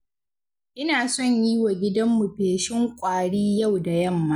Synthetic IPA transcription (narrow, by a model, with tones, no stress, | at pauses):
ʔɪ˦naː˨sɔ˦˨ɲjiː˦wa˨ɡʲɪ˦dɐ˦mːu˨peː˨ʃɪ˦ŋkʷʼaː˨ɽiː˦jɐ˦˨wda˨jɐ˦˨mːa˦